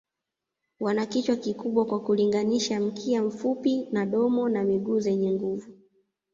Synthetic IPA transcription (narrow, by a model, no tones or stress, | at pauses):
wanakit͡ʃwakikuɓwakwakuliŋɡaniʃam̩kʰiam̩fupinaɗɔmɔnamiɡuːzɛɲɛŋɡuvu